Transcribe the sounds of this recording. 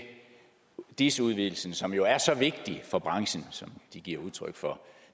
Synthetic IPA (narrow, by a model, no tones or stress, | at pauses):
d̥isuð̞ˠʋiðˠl̩sn̩sɒ̽mjo̝æɐsɒ̽ʋe̝ɡ̥̚d̥ifɒ̽b̥ʁɑ̈ŋɕən̩sɒ̽md̥iɡ̥iɐ̰uð̞ˠt͡sʰʁœɡ̥fɒ̽